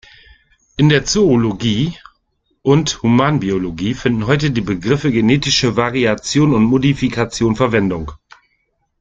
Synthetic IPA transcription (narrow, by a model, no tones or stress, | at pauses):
ʔɪndeːɐt͡sooloɡiː | ʔʊnthumaːnbioloɡiːfɪndn̩ɦɔʏtədiːbəɡʁɪfəɡeneːtɪʃəvaʁiat͡sjoːnʊntmodifikʰat͡sjoːnfɛɐvɛndʊŋ